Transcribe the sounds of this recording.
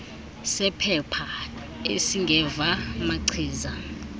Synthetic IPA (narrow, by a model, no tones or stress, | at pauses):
sɛpʰɛpʰa | ḛsiŋɡʱɛvamaǀʰiːza